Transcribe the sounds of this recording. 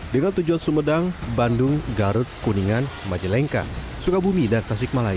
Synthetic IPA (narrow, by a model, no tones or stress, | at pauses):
dəŋant̪ud͡ʒuansəmədaŋbandʊŋɡaɾʊt̪̚kuniŋanmad͡ʒilɛŋka̰ | sukabumidankas̬ɪk̚malai